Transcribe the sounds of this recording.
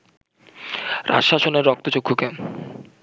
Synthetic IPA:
ɾa̰ʃaʃoneɾːɔk̚t̪ot͡ɕokʰːoken

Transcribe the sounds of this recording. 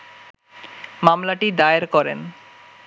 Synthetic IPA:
mamlaʈid̪aeɾkɔɾḛn

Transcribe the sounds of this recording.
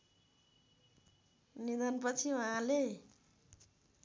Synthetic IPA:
nid̪anpʌt͡sʰiwʌɦãle

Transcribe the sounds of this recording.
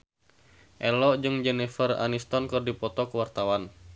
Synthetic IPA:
ʔɛlɔd͡ʒɨŋd͡ʒɛnɛfəra̰nist̪ɔnkɨrdipɔt̪ɔkəwart̪awan

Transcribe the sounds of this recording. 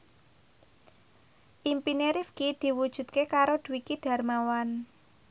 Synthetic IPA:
ʔimpineɾifkid̪̥i̤wud̥ʒ̥ṳt̪̚kekaɾod̪̥ṳwikid̥a̤rmawan

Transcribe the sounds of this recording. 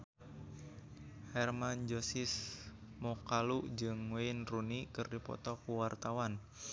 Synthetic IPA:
hɛrmand͡ʒosɪs | mɔkaluʔd͡ʒɨŋweɪnrunikɨrdipɔ̰t̪ɔkuwart̪awan

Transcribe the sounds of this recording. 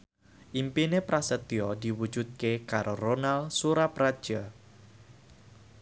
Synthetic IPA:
ʔimpinepɾasət̪iɔd̪i̤wud̥d͡ʒud̪̚kekaɾʔoronalsuɾapɾad̥ʒ̥a

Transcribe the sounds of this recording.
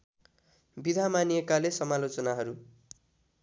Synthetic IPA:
bid̪ʱamaniekalesʌmalot͡sʌnaɦʌɾu

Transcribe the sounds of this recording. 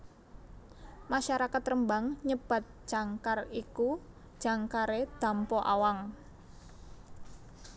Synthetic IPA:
maʃaɾakat̪rəmbaŋɲəb̥a̤t̪̚ʒ̥a̤ŋkariku̥ | ʒ̥a̤ŋkaɾed̪̥a̤mpɔʔa̰waŋ

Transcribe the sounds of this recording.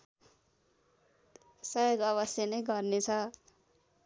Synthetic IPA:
sʌjoɡʌβʌsjʌnʌjɡʌrnet͡sʰʌ

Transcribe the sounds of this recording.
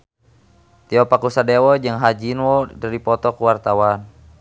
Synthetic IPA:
t̪iɔpakusadɛwɔd͡ʒɨŋɦad͡ʒinwɔdəɾipɔt̪ɔkuwart̪awan

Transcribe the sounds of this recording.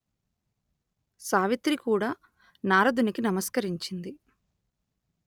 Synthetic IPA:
saːʋit̪ɾikuːɽaː | naːɾɐd̪unikinɐmɐskɐɾiɲt͡ʃind̪i

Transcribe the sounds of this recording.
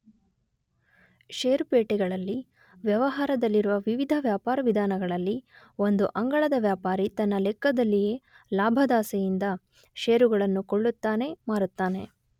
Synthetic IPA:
ʃeːɾupeːʈɛɡɐɭɐlːi | ʋjɐʋɐɦaːɾɐd̪ɐlːiɾuʋɐʋiʋid̪ʱɐʋjaːpaːɾɐʋid̪ʱaːnɐɡɐɭɐlːi | o̞nd̪uʔɐŋɡɐɭɐd̪ɐʋjaːpaːɾit̪ɐnːɐlɛkːɐd̪ɐlːije̞ː | laːbʱɐd̪aːsɛjind̪ɐ | ʃeːɾuɡɐɭɐnːukoɭːut̪ːaːne̞maːɾut̪ːaːne̞

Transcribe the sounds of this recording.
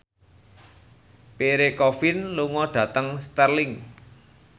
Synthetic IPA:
peɾekɔfɪnluŋɔɖ̥ä̤t̪əŋst̪ərlɪŋ

